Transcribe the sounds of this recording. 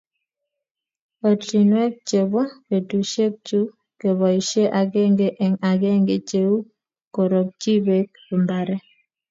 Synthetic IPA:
ɔ˨ti˨nwɛ˦k̚t͡ʃe˨βɔ˦ke˨tu˨ʃe˦k̚t͡ʃu˦ | ke˨βɔ˨i˨ʃe˦ʔa˨kɛ˦ŋɡe˦ʔɛ˨ŋa˨kɛ˦ŋɡe˨t͡ʃe˦u˦ | ko˨ɾo˨k̚t͡ʃi˦βe˨k̚ | pi˨mba˨ɾɛ˦

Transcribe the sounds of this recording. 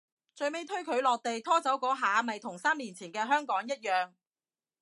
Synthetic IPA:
t͡ʃɵ˧ɥme˥jt̪ʰɵ˥ɥkʰɵ˨˧ɥlɔː˨k̚t̪e˨jt̪ʰɔː˥t͡sɐ˨˥wkɔː˨˥ɦaː˨˥mɐ˨jt̪ʰʊ˨˩ŋsaː˥miː˨˩nt͡sʰiː˨˩nkɛː˧ɦœː˥ŋkɔː˨˥ŋjɐ˥t̚jœː˨ŋ

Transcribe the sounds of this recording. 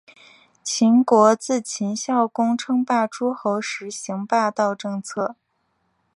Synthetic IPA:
t͡ɕʰi˧˥nkwɔ˧˥t͡sɹ̩˥˩t͡ɕʰi˧˥nɕjɑ˥˩ʊkʊ˥ŋʈ͡ʂʰɤ˥ŋpa˥˩ʈ͡ʂʰu˥xo˧˥ʊʂɻ̩˧˥ɕi˧˥ŋpa˥˧t̪ɑ˥˧ʊʈ͡ʂɤ˥˧ŋt͡sʰɤ˥˩

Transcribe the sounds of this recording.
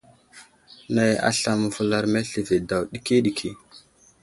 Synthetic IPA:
na˨ja̰˨ɬa˨m˨vu˨la˦ɾme˦ɬi˨ve˨da˨wɗi˦ki˦ɗi˨kʰi˨

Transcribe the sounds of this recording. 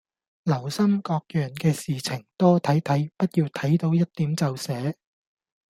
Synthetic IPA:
lɐ˨˩wsɐ˥mkɔː˧k̚jœː˨˩nkɛː˧siː˨t͡sʰɪ˨˩ŋt̪ɔː˥t̪ʰɐ˨˥jt̪ʰɐ˨˥jpɐ˥t̚jiː˧wt̪ʰɐ˨˥jt̪o˨˥wjɐ˥t̚t̪ːiː˨˥mt͡sɐ˨˧wsɛː˨˥

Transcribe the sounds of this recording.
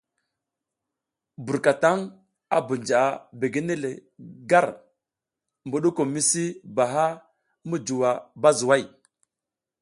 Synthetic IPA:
bu˨ɾka˨ta˦ŋ | a̰˦bu˨nd͡ʒa˨a˨be˨ɡe˦ne˦le˨ɡa˦˨ɾ | mbu˨ɗu˦ko˨mi˦si˦ba˨ɦa˦ | mə˦d͡ʒu˨wa˨ba˦zu˨wa˦˨j

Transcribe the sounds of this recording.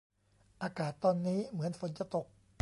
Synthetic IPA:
ʔaː˧kaː˨˩t̪ːɔː˧nːiː˦˥mɯ˩˦ənfo˨˩˦nt͡ɕa˧t̪o˨˩k̚

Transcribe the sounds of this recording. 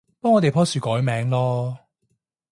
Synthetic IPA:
pɔː˥ŋɔː˨t̪e˨jpʰɔː˥syː˨kɔː˨˥jmɛː˨˥ŋlɔː˥

